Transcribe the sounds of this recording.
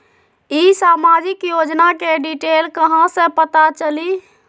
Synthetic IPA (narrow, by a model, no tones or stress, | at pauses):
isamad͡ʒɪkjod͡ʒnakeɖiʈelkəɦãsə̃pət̪at͡ʃəli